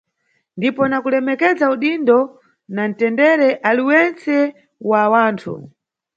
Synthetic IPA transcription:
ndipɔnakulɛmɛkɛd͡zauɗindɔ | nan̩tɛndɛɾɛʔaliwɛnt͡sɛ | wawaːntʰṵ

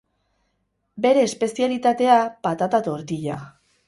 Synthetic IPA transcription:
be̞ɾe̞ːspe̞sialit̪at̪e̞apat̪at̪at̪o̞ɾt̪iʎa

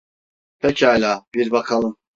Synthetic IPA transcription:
pʰɛcʰalʲaːbiɾbakʰalˠɯm

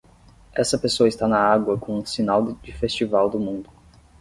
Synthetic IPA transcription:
ɛsɐpesoɐɪst̪anɐaɡwɐkõũsinawd͡ʒɪfest͡ʃivawd̪ʊmũnd̪ʊ

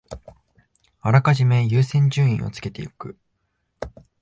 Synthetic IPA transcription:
aɾakaʑime̞jɯːsẽ̞ɲ̟d͡ʑɨːḭ̃ɰ̃ʔo̞̰t͡sɨ̥ke̞t̪e̞jo̰kɯ̟

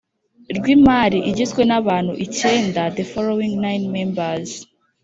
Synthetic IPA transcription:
ɾɡwimaɾiʔiɟizɡwe̞naβaːnhṵʔice̞ːndaðefolowiŋnajnmembaz̥

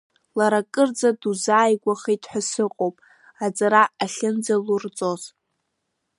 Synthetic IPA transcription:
laɾakʼɨrd͡zaduzaːjɡʷaχitʰʼħʷasɨqʼowpʼ | ad͡zʼaɾaːɬʲɨnd͡zalurt͡sʼoz

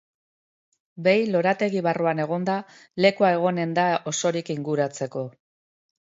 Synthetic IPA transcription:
be̞jlo̞ɾat̪e̞ɣiβaruane̞ɣ̞o̞nd̪a | le̞kuae̞ɣ̞o̞ne̞nd̪aʔo̞so̞ɾikiŋɡuɾat͡se̞ko̞

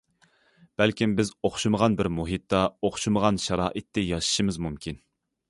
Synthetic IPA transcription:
b̥ælkʲimbɪzoχʃuməʁɑnbɪɾmuɦit̪ːɑoχʃuməʁɑnʃɑɾɑːʔɨt̪ʰːɪjɑʃi̥ʃɨmɨzmumkʲʰin

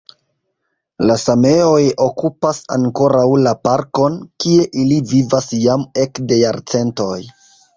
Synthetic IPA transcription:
lasame̞o̞jo̞kupasa̰ŋko̞ɾawlapaɾko̞nkie̞ʔilivivasjame̞kde̞jaɾt͡se̞nto̞j

